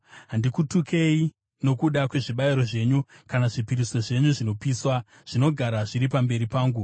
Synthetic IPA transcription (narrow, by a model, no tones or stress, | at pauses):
ɦandikutukʰe̞i | no̞kuɗakwe̞ʐiɓaiɾo̞ʐe̞ːɲukanaʐipiɾiso̞ʐe̞ɲuʐino̞piːswa | ʐ̥ino̞ɡʱaɾaʐiɾipambe̞ɾipaːŋɡu